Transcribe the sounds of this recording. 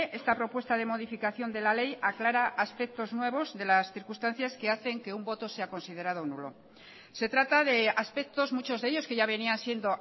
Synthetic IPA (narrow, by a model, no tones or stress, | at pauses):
ʔe̞st̪apɾo̞pwe̞st̪aðe̞mo̞ðifikaθjo̞nd̪e̞lale̞jaklaɾaʔaspek̚t̪o̞znwe̞β̞o̞zðe̞lasθiɾkust̪an̟θjaske̞aθe̞ŋke̞umbo̞t̪o̞se̞ako̞nsið̞e̞ɾað̞onṵlo̞̰ | se̞t̪ɾat̪aðe̞aspe̞k̚t̪o̞zmut͡ʃo̞zðe̞ʎo̞skeʝaβe̞niansje̞nd̪o̞